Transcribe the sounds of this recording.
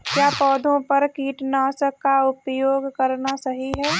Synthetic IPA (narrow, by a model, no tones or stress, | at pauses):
kjaːpɔːd̪ʱõpɐɾkiːʈnasəkːaʊpjoːɡkɐɾnasɐɦiɦɛː